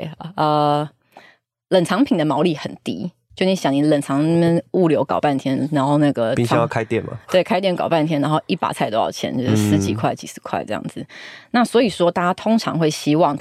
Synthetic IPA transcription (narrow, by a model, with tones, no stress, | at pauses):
ə˧˩ | lə˨˩nt͡sʰɑ˧˥ŋpʰi˨˩ŋd̪ə˦mɑ˧˥ʊli˥˩xə˨˩nt̪ḭ˥ | t͡ɕjo˥˩ʊni˧˥ɕjɑ˨˩ŋni˧˩lə˨˩nt͡sʰɑ˧˦˥ŋ˥mɛ˥˨nu˥˩ljo˧˥ʊkɑ˨˩ʊpa˥˩nt̪ʰjɛ˥nna˧˥nxo˥˧ʊna˥˩ɡə˩pĩ˥˨˦jɑ˥˧˩kʰa˦ɪt̪jɛ˥˨nmɐ̰˨t̪we˥˩ɪkʰa˥ɪt̪jnkɑ˨˩ʊpa˥˨nt̪ʰjɛ˥na˧˥nxo˥˧ʊi˥˩pa̰˨˩t͡sʰa˥˧ɪo˥jɑ̰˥˩ʊt͡ɕʰjɛ̰˥˦nt͡ɕjo˥˧ʊʂ̩˥˧sɹ̩˥˩t͡ɕḭ˨˩kʰwa˥˩ɪt͡ɕḭ˨˩sɹ̩˧˥kʰwa˥˧ɪʈ͡ʂɤ˥˧jɑ̰˥˩ŋd͡zɹ̩˨˩na˥˩swɔ˧˥i˨˩ʂwɔ˥t̪a˥˩t͡ɕa˥t̪ʰo˥ŋʈ͡ʂʰɑ̰˧˥ŋxwe˥˩ɪɕi˥wɑ˥˩ŋ